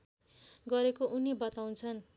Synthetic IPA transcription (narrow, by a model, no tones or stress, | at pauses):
ɡʌɾekoʔunibʌt̪aw̃nt͡sʰʌn